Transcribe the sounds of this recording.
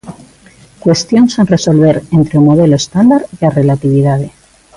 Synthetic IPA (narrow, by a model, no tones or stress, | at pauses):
kwe̞st̪jo̞nsenre̞so̞lβ̞e̞ɾent̪ɾeumo̞ðe̞lo̞est̪and̪aɾʝare̞lat̪iβ̞iðaðe̞